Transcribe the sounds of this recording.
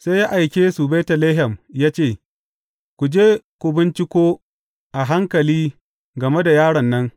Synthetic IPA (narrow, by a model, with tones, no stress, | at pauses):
se˦ja˦ʔa˨jkʲeː˦su˨be˦tɐ˨leː˦ɦɛ˨mjaː˦t͡ʃeː˦˨ | kʷu˨d͡ʒeː˦kʷʊ˨bɪ˦nt͡ʃɪ˦kʷoː˦ | ʔa˨ɦa˦ŋkɐ˨liː˦ | ɡɐ˨me˦da˨jaː˦ɽɐ˨nːɐ˦ŋ